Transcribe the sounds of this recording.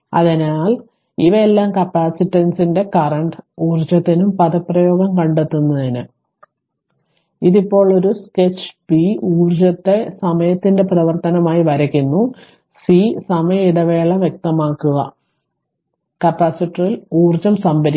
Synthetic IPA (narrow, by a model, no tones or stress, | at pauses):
ɐ̰ðinaːl | iʋɐelːaːmkɐpːaːsitːɐnsinde̞kɐrɐɳɖɨuːrd͡ʑɐt̪ːinumpɐðɐpːrɐjo̞ːɡɐmkɐɳɖet̪ːunːɐðinɨ | iðipːo̞ːɭo̞ɾusket͡ɕːb̥iuːrd͡ʑɐt̪ːe̞sɐmɐjɐt̪ːinde̞prɐʋɐrt̪ɐnɐmaːjiʋɐɾɐkʲːunːu | sisɐmɐjɐiɽɐʋe̞ːɭɐʋjek̚t̪ɐmaːkːuɣɐ̰ | kɐpːaːsiʈːiriluːrd͡ʑɐmsɐmbɐɾi